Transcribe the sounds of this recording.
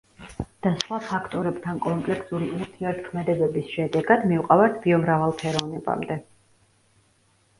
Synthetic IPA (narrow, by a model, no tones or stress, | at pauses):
d̪̥asχwapʰakʰt̪ʼɔɾɛbt̪ʰankʼɔmpʼlɛkʰsuɾiuɾt̪ʰiɛɾt̪ʰkʰmɛd̪ɛbɛbisʃɛd̪ɛɡad̪miuqʼavaɾt̪ʰbiɔmɾavalˠpʰɛɾɔvnɛpʼa̰md̪ɛ